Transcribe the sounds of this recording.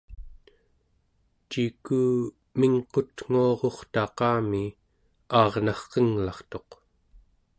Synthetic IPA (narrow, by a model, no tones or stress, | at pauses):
t͡ʃikuː | miŋqo̞t̪ŋ̥uɑʁo̞χt̪ɑqɑːmi | ɑːʁnɑχqəŋlɑχt̪o̞q